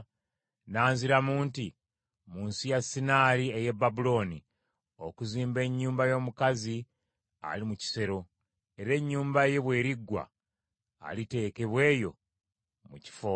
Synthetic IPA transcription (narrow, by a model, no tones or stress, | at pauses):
naːnziɾamuːnti | muːnsijasːinaːɾieje̞babulo̞ːni | o̞kuziːmbe̞ɲːuːmbajo̞ːmukazi | a̰limuci̥se̞ɾo̞ | e̞ɾe̞ɲːuːmbaje̞βwe̞ːɾiɡːwa̰ː | lite̞ːke̞βwe̞ːjo̞̰ | muci̥fo